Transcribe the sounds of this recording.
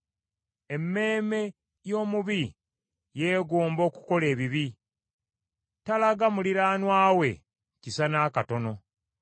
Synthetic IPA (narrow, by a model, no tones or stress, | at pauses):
e̞mːe̞ːme̞ | jo̞ːmuβi | je̞ːɡoːmbo̞ːku̥ko̞le̞ːβiβi | talaɡamuliɾaːnwaːwe̞̰ | cisanaːkato̞no̞